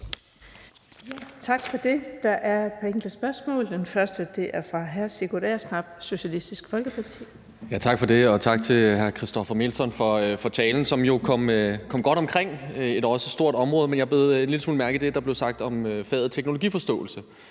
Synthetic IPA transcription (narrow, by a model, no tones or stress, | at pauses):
jæt͡sʰɑ̈ɡ̥fɒ̽d̥e̝d̥ɑ̈ʔæɐpʰɒeŋd̥ləsb̥ɶɐsmɔ̰ːld̥enfɶɐsd̥əd̥e̝ʔæɐfʁɑ̈ɦæɐse̝kʰolæ̰ːɐsnɑ̈b̥̚so̝ɕælisd̥isɡ̥fɒ̽lɡ̥əpʰɑ̈t͡sʰḭː | jæt͡sʰɑ̈ɡ̥fɒ̽d̥e̝ɒ̽t͡sʰɑ̈ɡ̥̚t͡sʰe̝ɦæɐkʰʁisd̥ɒ̽fɐme̝lsɒ̽nfɒ̽fɒt͡sʰɛːln̩sɒ̽mjo̝kʰɒ̽m̰kʰɒ̽m̰ɡ̥ɒ̽ɾ̥ɒ̽mkʰʁeŋ̰e̝d̥ɒ̽səsd̥o̝ɐ̰ɾ̥ɒ̽mʁɔ̽ːð̞ˠmenjɑhb̥e̝ðˠe̝d̥leləsmṵːlmæɐɡ̥ð̩d̥e̝d̥ɑb̥le̝ʊsɑ̈ɡ̥̚d̥ɒ̽møfɛ̰ːð̩ˠt͡sʰeɡ̥nolo̝ɡḭːfɒ̽sd̥ɔ̰̽ːl̩sə